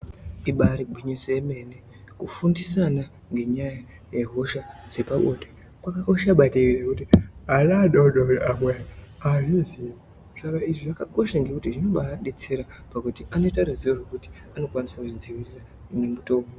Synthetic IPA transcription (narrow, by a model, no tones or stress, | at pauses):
iɓaɾiɡʱwiɲiseeme̞ne | kufundisana | ŋɡe̞ɲaja | je̞ɦo̞ʃad͡ze̞paɓote | kwakaoʃaɓataʐekutianaɗauɗauamwaaʐizi | ʐ̥akaiʐiʐakako̞ʃaŋɡe̞kutiʐino̞ɓaɗet͡seɾapakutiʔano̞itaɾaziwoʐekuti̥ano̞kwanisakuid͡ziwisa | unemutomu